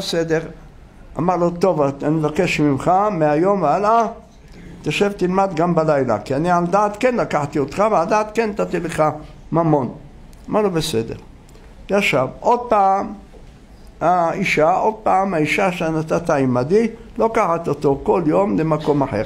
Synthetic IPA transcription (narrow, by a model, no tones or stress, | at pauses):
sed̪eʁ | amaʁlot̪o̞vaaniloke̞ʃmimχameajo̞mveala | t̪jaʃevt̪ilmad̪ɡambalajla̰kianiald̪aːt̪kenlakaħt̪io̞t̪χaveald̪aːat̪kent̪at̪ileχa | mamo̞n | malobesed̪e̞̰ʁ | jaʃavʔo̞d̪̚paːm | haiʃaʔo̞d̪̚paːmaiʃaʃeanat̪at̪aimad̪ilo̞kaħat̪ot̪o̞ko̞ljo̞mlemako̞maħe̞̰ʁ